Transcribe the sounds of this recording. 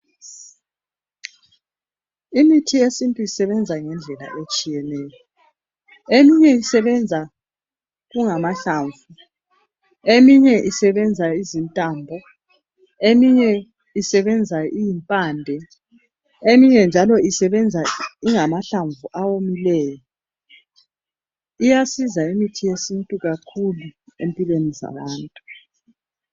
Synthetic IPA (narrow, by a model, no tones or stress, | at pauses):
imitʰiesintʼuisɛβɛnd͡zʱaŋɛnd͡ɮʱɛla̰ʔet͡ʃʼijɛnɛːjɔ | emiɲɛisɛβɛnd͡zʱa | ɣuŋamaɬaːɱvu | emiɲɛʔisɛβɛnd͡zʱaizintʼaːmbʱɔ | emiɲɛ | isɛβɛnd͡zʱaijimpʼaːndʱɛ | emiɲɛnd͡ʒʱalɔisɛβɛnd͡zʱaiŋamaɬaɱvuʔawomilɛːjɔ | ijasizaimitʰijesintʼuɣakʰuluempʼilweniza̰βaːntʼu